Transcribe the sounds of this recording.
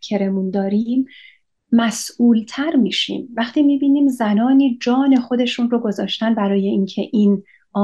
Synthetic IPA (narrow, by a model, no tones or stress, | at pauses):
kʰe̞ɾe̞mund̪ɒːɾimː | æsʔuːlt̪ʰæɾmiːʃḭːmvæχt̪ʰiːmiːbiːniːmzænɒːniːd͡ʒɒːne̞xo̞d̪e̞ʃunroɡo̞zɒːʃt̪ænbæɾɒːje̞ʔincʰe̞ʔiːn | ɒː